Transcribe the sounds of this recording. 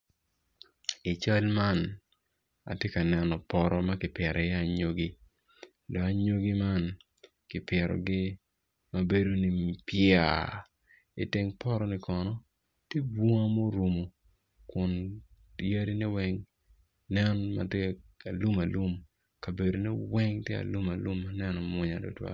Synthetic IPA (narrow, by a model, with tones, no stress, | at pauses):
i˨t͡ʃa˦lma˦n | a̰˨tje˦ka˨nɛ˦nɔ˨pɔ˦ɾɔ˦ma˦kɪ˨pjɛ˨ɾɛ˨ja˦˨ɲo˦ɡi˦ | dɔ˨ka˦ɲo˦ɡi˦ma˦n | kɪ˨pjɛ˨ɾɔ̰˨ɡɪ˦ | ma˨be˦do˦ni˨mpjɪ˦a̰˨ | ɪ̰˨te˦ŋpɔ˦ɾɔ˦nɪ˨kɔ˨nɔ˦ | tje˦bwɔ˦ŋa˦mo˦ɾu˨mo˨ | kʊ˨ntja˦ɾi˦nɛ˦wɛ˦ŋ | nɛ˦nma̰˨te˦a˨lu˦ma˨lu˦m | ka˨be˨do˨nɛ˦wɛ˦ŋtje˦a̰˨lu˦ma˨lu˦mːa˦nɛ˦nɔ˨mʊ˦ɲa̰˨do̰˨twa̰˨